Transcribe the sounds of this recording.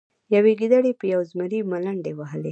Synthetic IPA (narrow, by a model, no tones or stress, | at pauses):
jaweɡid̪aɽepəjawzmaɾimalaɳɖewaɦəle